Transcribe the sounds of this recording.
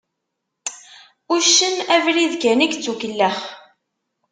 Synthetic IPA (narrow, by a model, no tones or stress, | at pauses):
ʊʃənævɾiðɡænikt͡sːukəlːəχ